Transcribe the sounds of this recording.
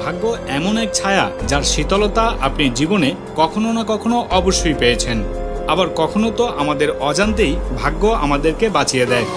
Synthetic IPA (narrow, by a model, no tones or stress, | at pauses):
bʱaɡːoɛmonɛk̚t͡ɕʰaea̰d͡ʑaɾʃit̪ɔlot̪aʔa̰pniɾd͡ʑibone | kɔkʰononakɔkʰonoʔɔboʃːojpejet͡ɕʰenabaɾkɔkʰonot̪oʔamad̪eɾɔd͡ʑant̪̬ejbʱaɡːoa̰mad̪eɾkebat͡ɕijed̪ɛe